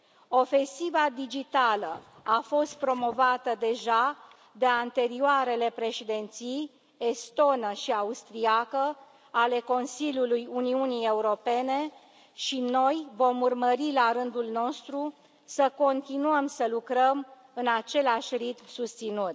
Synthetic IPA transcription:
o̞fe̞nsivad̪id͡ʒit̪alə | afo̞st̪̚pɾo̞mo̞vat̪əd̪e̞ʒa | d̪e̞ant̪e̞ɾioaɾe̞le̞pɾe̞ʃed̪e̞nt̪sij | e̞st̪o̞nəʃiaust̪ɾiakə | ale̞ko̞nsilʲjulujuniunije̞uɾo̞pe̞ne̞ | ʃino̞jvo̞murməɾilaɾɨnd̪ulno̞st̪ɾu | səko̞nt̪inuəmsəlukɾəm | ɨnat͡ʃe̞laʃʲrit̪msust̪sinut̪

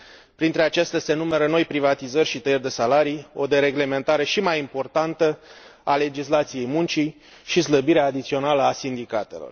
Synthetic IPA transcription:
pɾint̪ɾe̞at͡ʃest̪ease̞nume̞ɾəno̞jpɾivat̪izərʲʃit̪əjerʲd̪e̞salaɾijo̞d̪eɾe̞ɡle̞me̞nt̪aɾe̞ʃimajimpo̞rt̪ant̪əale̞d͡ʒislat̪sije̞jmunt͡ʃi | ʃisləbiɾeaːd̪it̪sio̞naləasind̪ikat̪e̞̰lo̞̰r

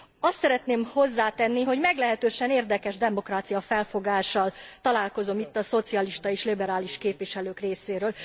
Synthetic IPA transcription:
ɒst̪sɛɾɛt̪neːmho̞zːaːt̪ɛnːiɦo̞ɟmɛɡlɛɦɛt̪øːʃɛneːrd̪ɛkɛʒd̪ɛmo̞kraːt̪sijɒfɛlfo̞ɡaːʃɒlt̪ɒlaːlko̞zo̞mit̪ːɒso̞t̪siɒliʃt̪ɒeːʃlibɛɾaːliʃkeːpʋiʃɛløːkreːseːɾøːl

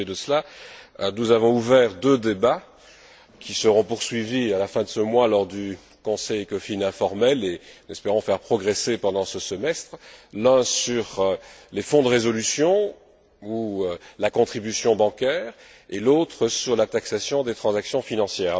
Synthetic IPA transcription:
ed̪əsəla | nuzavɔ̃uvɛʁd̪ød̪eba | kʲʰisəʁɔ̃puʁsɥivialafɛ̃d̪əsəmwalɔʁd̪y | kɔ̃sɛjkɔfinɛ̃fɔʁmɛlẽnɛspeʁɔ̃fɛʁpχɔɡʁesepɑ̃d̪ɑ̃səsəmɛst̪χlɛ̃syʁlefɔ̃d̪əʁezɔlysjɔ̃ | ulakɔ̃t̪χibysjɔ̃bɑ̃kʲɛːʁ | elot̪χəsyʁlat̪aksasjɔ̃d̪et̪χɑ̃zaksjɔ̃finɑ̃sjɛːʁ

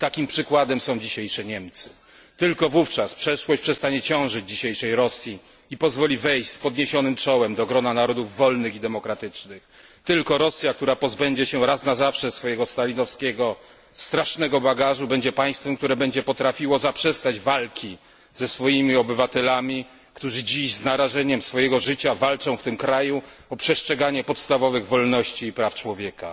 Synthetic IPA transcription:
t̪akʲimpʂɘkwad̪ɛmsɔ̃w̃d͡ʑiɕejʂɛɲɛmt̪sɘ̥ | t̪ɘlkɔvuft͡ʂaspʂɛʂwɔɕt͡ɕpʂɛst̪aɲɛt͡ɕɔ̃w̃ʐɘd͡ʑd͡ʑiɕejʂɛjɾɔsʲji | ipɔzvɔlʲivɛjɕspɔd̪ɲeɕɔnɘmt͡ʂɔwɛmd̪ɔɡɾɔnanaɾɔd̪uvːɔlnɘxid̪ɛmɔkɾat̪ɘt͡ʂnɘx | t̪ɘlkɔɾɔsʲjak̚t̪uɾapɔzbɛɲd͡ʑɛɕɛɾasnazafʂɛsfɔjɛɡɔst̪alʲinɔfskʲɛɡɔ | st̪ɾaʂnɛɡɔbaɡaʐubɛɲd͡ʑɛpaj̃st̪fɛmk̚t̪uɾɛbɛɲd͡ʑɛpɔt̪ɾafʲiwɔzapʂɛst̪ad͡ʑvalkʲi | z̥ɛsfɔjimʲiɔbɘvat̪ɛlamʲi | kt̪uʐɘd͡ʑiɕznaɾaʐɛɲɛmsfɔjɛɡɔʐɘt͡ɕavalt͡ʂɔ̃w̃ft̪ɘmkɾajuɔpʂɛʂt͡ʂɛɡaɲɛpɔt̪st̪avɔvɘɣvɔlnɔɕt͡ɕiːpɾaft͡ʂwɔvʲjɛka

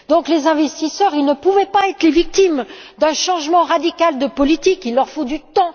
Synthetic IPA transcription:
d̪ɔ̃klezɛ̃vɛst̪isœʁilnəpuvɛpaɛt̪χlevik̚t̪imd̪ɛ̃ʃɑ̃ʒmɑ̃ʁad̪ikald̪əpɔlit̪ikilːœʁfod̪yt̪ɑ̃

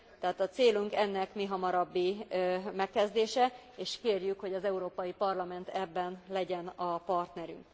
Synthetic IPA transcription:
t̪ɛɦaːt̪ɒt̪seːluŋkɛnːɛkmiɦɒmɒɾɒbːimɛkːɛzd̪eːʃɛeːʃkeːrjykho̞ɟɒzɛuɾoːpɒjipɒrlɒmɛnt̪ʰɛbːɛnlɛɟɛnɒpɒrt̪nɛɾy̰ŋk

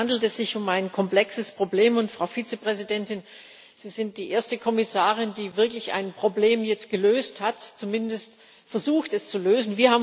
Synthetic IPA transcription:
andl̩tɛsz̥ɪçʊmaɪnkʰɔmpl̥ɛksəspʁ̥obleːmʊntfʁ̥aʊfit͡səpʁ̥ɛzidɛntɪn | z̥iːz̥ɪnt̚d̥iːʔeːɐstəkʰɔmɪsaːʁ̞ɪndiːvɪɐklɪça̰ɪnpʁ̥obleːmjɛt͡st̚ɡ̥əløːsthatt͡sumɪndəst | fɛɐzuːxtɛst͡suløːzn̩viːɐhaːb

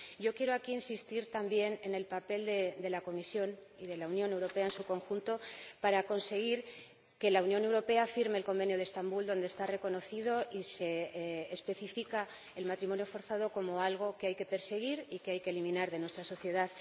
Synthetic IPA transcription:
ɟ͡ʝo̞kje̞ɾo̞akiinsist̪iɾt̪ambje̞ne̞ne̞lpape̞ld̪e̞d̪e̞lako̞misjo̞niðe̞launjõ̞ne̞wɾo̞peaensuko̞ŋxunt̪o̞paɾako̞nse̞ɣ̞iɾ | ke̞launjone̞wɾo̞pe̞afiɾmeːlko̞mbe̞njoðest̪ambuld̪o̞nd̪est̪are̞ko̞no̞θið̞o̞ʔise̞ːspe̞θifika | elmat̪ɾimo̞njo̞fo̞ɾθað̞o̞ko̞mo̞alɣ̞o̞keajke̞pe̞ɾse̞ɣ̞iɾikeajkeːlimĩnaɾðe̞nwe̞st̪ɾaso̞θje̞ðað

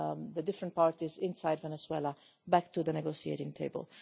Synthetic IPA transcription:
ðədɪfɾə̃nt̚paɹt̪izɪ̃nsaɪdvɛnɛswɛlə | bæktuðənɛɡosiḛɪɾɪ̃ŋtʰeɪbə̰lˠ

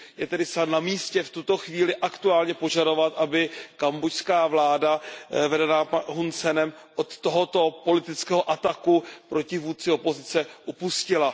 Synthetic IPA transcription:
jɛt̪ɛdɪsanamiːscɛft̪ut̪o̞xviːlɪʔakt̪uaːlɲɛpo̞ʒado̞vat̪ʔabɪkambocskaːvlaːdavɛdɛnaɦunt͡sɛnɛm | ʔot̪ːo̞ɦo̞t̪o̞po̞lɪt̪ɪt͡skɛːɦoʔat̪akupɾo̞cɪvuːt͡sɪo̞po̞zɪt͡sɛʔupuscɪla

